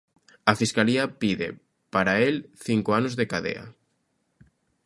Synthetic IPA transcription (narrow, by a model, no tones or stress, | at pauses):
afiskaliapiðḛ | paɾaelθiŋkoanozðekaðḛa̰